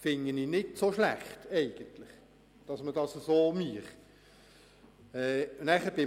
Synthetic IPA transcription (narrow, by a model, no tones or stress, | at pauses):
fɪŋəniːnɪtsoʃlæχtɛɪɡ̥əntlɪχ | d̥ɑsmədɑːsəsoːmyəχ | ɛːnæːχəb̥ɪ